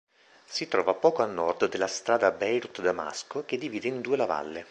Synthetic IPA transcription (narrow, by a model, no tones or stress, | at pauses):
sit̪ɾɔːvapɔːkoalnɔrd̪d̪elːast̪ɾaːd̪abɛjɾut̪d̪ama̰skok̟ed̪ːiviːd̪eind̪uːelava̰lːe